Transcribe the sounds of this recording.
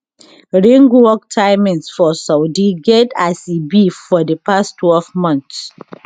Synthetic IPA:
ɹẽŋɡwɔk̚tʰaɪmĩnsfɔsawdiɡɛdasibifɔdəpastʰwɛlvmɔ̃nθs

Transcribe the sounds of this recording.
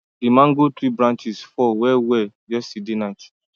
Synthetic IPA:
dimãŋɡotɾibɾãnt͡ʃisfɔwɛwɛ | d͡ʒɛsidenat͡ʃ

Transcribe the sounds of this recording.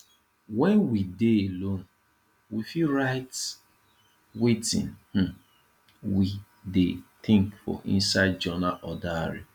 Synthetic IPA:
wɛnwideelon | wifiɾaɪt | wetḭ̃nh̩ | wi | detɪ̃ŋkfɔ̰ʔḭ̃n̩saɪd̚d͡ʒɔnaʔɔdaɾḭ

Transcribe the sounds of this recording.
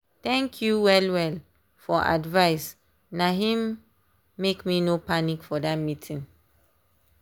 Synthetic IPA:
tɛ̃ŋkʰjuwɛlwɛl | fɔʔa̰dvaɪs | naɦĩmː | ekminopanikfɔdat̚mitʰĩŋ

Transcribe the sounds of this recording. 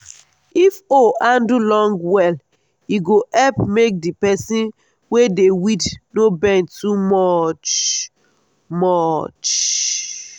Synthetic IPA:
ifoʔãndulɔ̃ŋɡwɛl | iɡoʔɛpmek̚dipɛsĩn | wedewidnobɛ̃ntumɔt͡ʃ | mɔt͡ʃ

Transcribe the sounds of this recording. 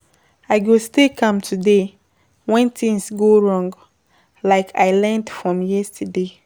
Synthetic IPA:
aɪɡostekʰʌ̃mtʰude | wɛ̃ntĩŋsɡoɹɔ̃ŋɡ | laɪkʰaɪlɛ̃ndfɹɔ̃mjɛstʰəde

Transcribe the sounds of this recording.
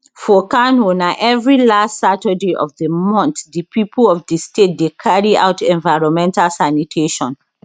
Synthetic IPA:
fɔkãnonaʔɛvɹilastsatədeʔɔ̰vdəmɔ̃nθdəpʰipʰəlɔfdəstʰet̚dekʰaɹia̰ʊtɛ̃nvaɪɹɔ̃nmɛ̃ntalsanitʰeʃɔ̃n

